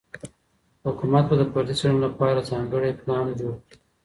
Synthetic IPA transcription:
hʊkumat̪̚bad̪əpaɾd̪isanolapɑɾazɑːŋɡəɽeplɑːnd͡ʒoɽki

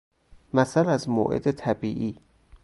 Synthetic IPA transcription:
mæsælæzmo̰ːʔḛd̪et̪ʰæbiːʔiː

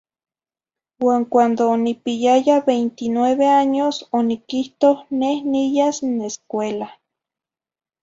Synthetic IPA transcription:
waːŋkʷand̪oːnipijajaβejnt̪inweβeaɲosonikiht̪ohnehnijasneskʷela

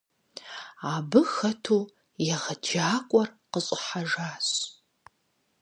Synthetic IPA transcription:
abɨxɐtʰuː | jɛʁɐd͡ʒaːkʷʼɔrqəɕʼɪħaʒaːɕ

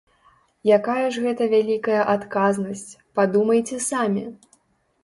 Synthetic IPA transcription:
jakajɐʐɣɛt̪ɐvʲalʲikɐjɐʔat̪kaznɐsʲt͡sʲpad̪umɐjt͡sʲɛsamʲi

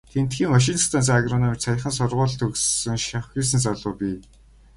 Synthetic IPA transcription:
t̪ʰen̥t̪xiːŋwaʃ̬inst̪ʰant͡s̬aaɣrɔnɔmit͡ɕsʰaj̆χə̆nsʊrʁʊːɮt̪ʰɵkssɵ̆ŋʃawxʲiːs̬ɘ̆nsaɮʊːpʲiː

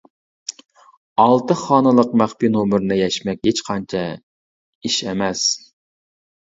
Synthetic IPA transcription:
ɑlˠt̪ɨχɑːnɨlˠəqmæχpinomɨɾnɨjɛʃmɛkʲhet͡ʃqʰɑnt͡ʃʰɛ | iʃɛmɛs

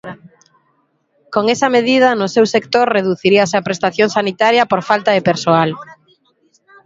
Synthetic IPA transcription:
koŋesɐmeðið̞ɐnʊsewsekt̪oɾreðuθiɾiaseɐpɾest̪aθjoŋsanit̪aɾjɐpoɾfalt̪ɐðepeɾsoal

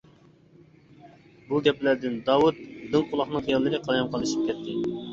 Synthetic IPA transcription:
buɡʲɛplæɾd̪ɪnd̪ɑwut̪̚d̪ɨŋqʊlˠɑχnɨŋχijɑlˠːɨɾɨqʰɑjɑmqʰɑlˠːɨʃi̥p̚kʲɛt̪ʰːɪ

